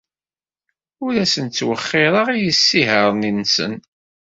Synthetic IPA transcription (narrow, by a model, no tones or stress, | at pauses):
ʊɾæsənt͡sːwəχːɪɾˤəʁijəsːiɦəɾˤninːsə̰n